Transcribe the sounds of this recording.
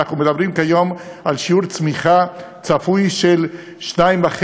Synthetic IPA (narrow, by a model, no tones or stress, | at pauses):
aχnumed̪abʁimkajomʔalʃiuʁt͡smiχa | t͡safujʃel | ʃnajmbaχ